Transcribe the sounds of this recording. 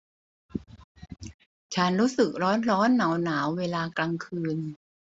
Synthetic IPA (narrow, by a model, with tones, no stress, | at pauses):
t͡ɕʰa˦˥nɾuː˦˥sɯ˨˩k̚ɾɔː˦˥nɾɔː˦˥nːa˩˦wnaː˩˦wweː˧laː˧kla˧ŋkʰɯː˧n